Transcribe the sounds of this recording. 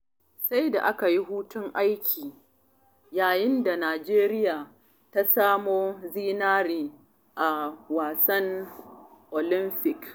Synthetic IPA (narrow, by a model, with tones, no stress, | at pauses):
sa˦jda̰˨ʔa˦ka˨ji˦ɦuː˦tʊ˦ŋʔa˦jkʲʰiː˨ | jaː˨jɪ˦nda˨naː˨d͡ʒeː˦ɾɪ˦jaː˨ | ta˦saː˦moː˦ziː˦naː˦ɾiː˨ | ʔa˨waː˨sɐ˦ŋ | ʔoː˨lɪ˦mɸɪ˨k